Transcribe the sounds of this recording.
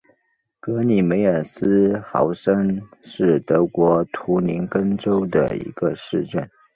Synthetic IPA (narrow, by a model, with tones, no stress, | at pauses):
kɤ˧˥ni˨˩me˧˥ɪə˞˨˩sɹ̩˥xɑ̰˧˥ʊʂə˥ŋʂɻ̩˥˩t̪ɤ˧˥kwɔ˧˥t̪ʰu˧˥ni˧˥nkə˥nʈ͡ʂo˥ʊd̪ə̰˨ḭ˧˥ɡ̥ə˧ʂɻ̩˥˧ʈ͡ʂə˥˩n